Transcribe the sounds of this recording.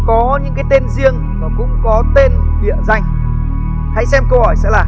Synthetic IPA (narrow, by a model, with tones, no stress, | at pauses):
kɔ˨˦ɲɨ̰˧˥ŋkaː˨˦jt̪e˧nzi˧əŋ | maː˨˩kʊ̰˧˥ŋ͡mkɔ˨˦t̪e˧nkḭ˧˨əza˧˩jŋ̟ | ha̰˧˥jsɛ˧mkə˧whɔ˧˩jsɛ̰˧˥laː˨˩